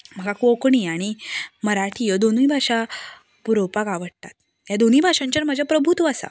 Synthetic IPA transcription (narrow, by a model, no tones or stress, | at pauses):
m̤əɡakokɳiaɽ̃iməɾaʈʰijəd̪onĩːbʱaʂa | puɾopakaʋəɽt̪at̪̚ | jad̪oniːbʱaʂãɲt͡ɕəɾm̤əd͡ʑʱapɾəbʱut̪uasa̰